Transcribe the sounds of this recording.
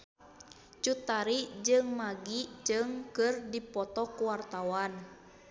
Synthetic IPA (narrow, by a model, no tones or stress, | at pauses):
t͡ʃut̪aɾid͡ʒɨŋmaɡid͡ʒɨŋkɨrdipɔt̪ɔkuwart̪awan